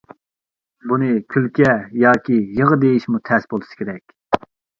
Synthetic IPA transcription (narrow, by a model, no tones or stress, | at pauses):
bunɨkʲʰylkʲɛjɑːkʲijəʁəd̪ejiʃmut̪ʰɛsbolˠɨsɨ̥kʲʰeɾɛkʲ